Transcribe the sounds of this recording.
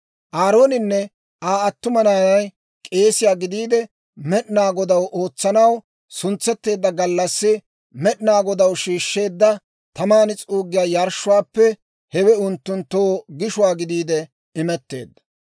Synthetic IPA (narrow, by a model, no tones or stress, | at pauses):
ʔaːɾo̞ːnɪnːɛ | ʔaːɐt̪ːʊmɐnaːnɐj | kʼe̞ːsɪjaːɡɪd̪iːd̪ɛ | mɛɗɪnaːɡɔd̪ɐwʔo̞ːt͡sːɐnɐw | sʊnt͡sːɛt̪ːe̞ːd̪ːɐɡɐlːɐsːɪ | mɛɗɪnaːɡɔd̪ɐwʃiːʃːe̞ːd̪ːɐ | t̪ɐmaːnɪt͡sʼuːɡːɪjaːjɐɾʃːʊwaːpːɛ | hɛwɛʊnt̪ːʊnt̪ːoːɡɪʃʊwaːɡɪd̪iːd̪ɛ | ɪmɛt̪ːe̞̰ːd̪ːɐ̥